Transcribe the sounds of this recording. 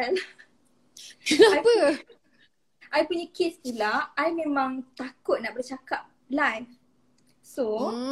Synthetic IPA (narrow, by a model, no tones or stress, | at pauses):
ala | aajpə | ʔajpuɲəkest̪ilaajmẽmãŋt̪akʊt̪̚naʔbərt͡ʃakap̚ | lajn | so